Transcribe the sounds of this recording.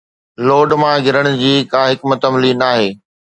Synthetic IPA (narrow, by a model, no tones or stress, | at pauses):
loːɖmãɡʱɪɾəɽ̃ʊ̆d͡ʑiːkãːɦɪkmɐt̪əmlinaːɦeː